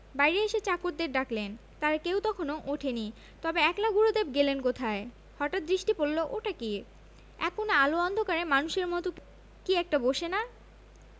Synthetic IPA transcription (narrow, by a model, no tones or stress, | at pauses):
bajɾeeʃet͡ɕakoɾd̪eɾɖaklen | t̪aɾkewt̪ɔkʰonoʔoʈʰeni | t̪ɔbeɛklaɡuɾod̪eb̚ɡelenkot̪ʰae | hɔʈat̪̚d̪ɾiʃʈipolːoʔoʈaki | ɛ̰kːonealoɔnd̪ʱokaɾemanuʃeɾmɔt̪o | kiɛk̚ʈaboʃena